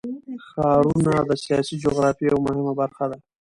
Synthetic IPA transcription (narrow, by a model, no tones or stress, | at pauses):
xɑɾunad̪əsijɑsid͡ʒoɣɾɑfijawmʊhɪmabaɾxad̪a